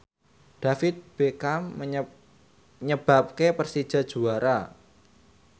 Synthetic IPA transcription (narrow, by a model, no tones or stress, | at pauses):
ɖ̥afɪt̪̚b̥ekamːə | ɲəb̥a̤p̚kepərsid̥ʒ̥a̤d̥ʒ̥uaɾa